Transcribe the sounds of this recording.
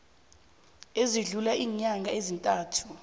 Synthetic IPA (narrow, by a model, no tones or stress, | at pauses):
eziɮulaʔiːɲaŋɡʱaezintʼaːtʰu̥